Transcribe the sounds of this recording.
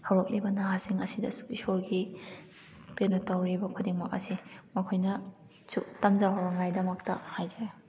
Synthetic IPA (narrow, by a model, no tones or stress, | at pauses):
hawɾok̚lʔibɐnaɦasiŋɐsidɐ̰su̥isoɾɡi | penotawɾibɐkʰudiŋmak̚ɐsimɐkʰojnɐ | sutamzaɦawɾaŋajdɐmɐktɐhajza